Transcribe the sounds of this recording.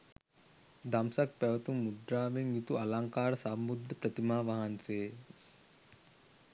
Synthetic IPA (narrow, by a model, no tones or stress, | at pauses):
d̪amsɐk̚pɛʋɐt̪umːud̪ɾaːʋeŋjit̪uʔɐlaŋkaːɾsambud̪ʱːəpɾət̪imaːʋaɦanseː